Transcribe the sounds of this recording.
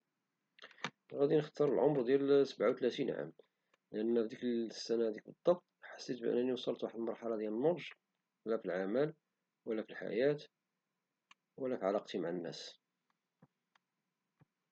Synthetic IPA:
ɣæd̪inəxt̪ɑɾˤəlʕomɾd̪jælsəbʕawt̪læt̪inʕa̰m | ləʔənːæfd̪iksːænæd̪ik̚bəd̪ˤːɑbt̪ˤħḁsːit̪bʔə̰nːæniwsˤɑlt̪waħəd̪əlmɑɾˤħɑlɑd̪jælənːoʒ | læfilʕamæl | wəlːæfilħa̰jæt̪ | wəlːæfiʕalɑqt̪imaʕanːæ̰s

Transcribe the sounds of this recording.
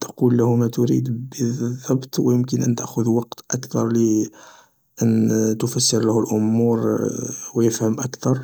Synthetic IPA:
t̪ɑ̥qulːæhʊmæt̪ʊɾḭd̪bəðˤːɑbt̪wəjəmkənʔənt̪æʔxʊd̪wɑqt̪ʔækt̪ɑɾˤli | ʔənt̪ʊfæsːəɾləhʊlʔʊmːuɾwjəfhəmʔækt̪ɑɾˤ

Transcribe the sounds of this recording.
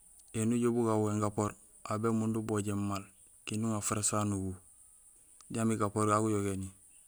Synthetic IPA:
enuɟobuɡawweŋɡapoɾ | ʔabemunduboɟemːal | kinuŋafaɾasanuɡu | ɟamiɡapoɾɡaɡujoɡeni

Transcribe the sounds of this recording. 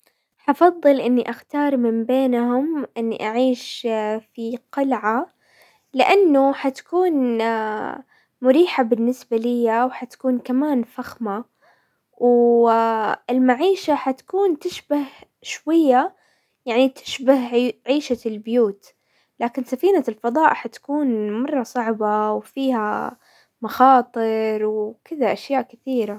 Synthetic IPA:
ħɑfɑðˤːɨlʔɪnːiʔaxt̪ɑːɾˤmɪmbeːnhʊmʔɪnːḭʔaʕiːʃfiqʊlʕa | lɪʔanːʊħat̪ḁkuːn | mʊɾiːħabɪnːɪsbalɪjːawħat̪ḁkuːnkamaːnfaxma | w | ɪlmaʕiːʃaħat̪ḁkuːnt̪ɪʃbah | ʃwajːa | jaʕnit̪ʰɪ̥ʃbahʕiːʃalbɪjuːt̪ | laːkɪnsafiːnalfɑðˤɑːʔħat̪ḁkuːnmɑrˤːɑsˤɑʕbawfiːha̰ | mɑxɑːt̪ˤɨɾˤwkɪðaʔaʃjaːʔkɪθiːɾa

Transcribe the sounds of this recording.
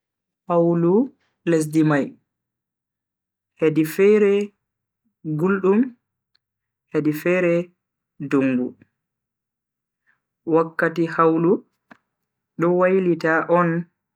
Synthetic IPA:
hawlu | les̬dimaj | hedifɛɾɛ | ɡulɗum | hedifɛɾɛ | duŋɡṵ | wakːatihawlu | ɗɔwajlitaʔɔn

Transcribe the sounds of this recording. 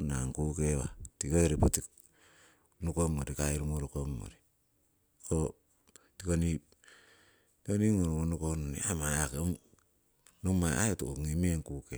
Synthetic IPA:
na̰ŋkukewa̰tikoɾipotik | nukomoɾikaiɾumoɾokomːo̰ɾi | ko | tikonip̚ | tikoniŋoɾomonukononḭamaakeŋ | numaa̰otooŋimeŋkuke

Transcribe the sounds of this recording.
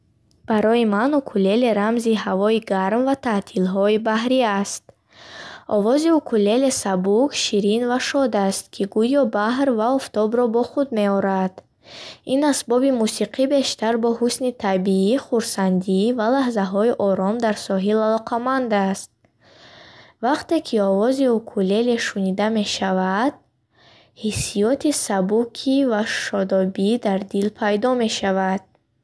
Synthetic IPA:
b̥aɾɔimanukʰule̞leɾamziɦavɔiɡaɾmvat̪ʰat̪ʰilɦɔibaɦɾiast̪̚ | ɔvɔziukʰule̞lesabukʃiɾinvaʃɔd̪ast̪̚kʰiɡujɔbaɦɾvaɔft̪ɔbɾɔbɔχud̪̚me̞ɔɾad̪̥ | inasbɔbimusiqʰibe̞ʃt̪aɾbɔhusnit̪ʰabiiχuɾsand̪ivalaɦzaɦɔiʔɔɾɔmd̪aɾsɔɦilalɔqʰamand̪ast̪̚ | vaqt̪e̞kʰiɔvɔziukʰule̞leʃunid̪ame̞ʃavad̪̥̚ | hisijɔt̪ʰisabukʰivaʃɔd̪ɔbid̪aɾd̪ilpʰajd̪ɔme̞ʃavad̪̥̚

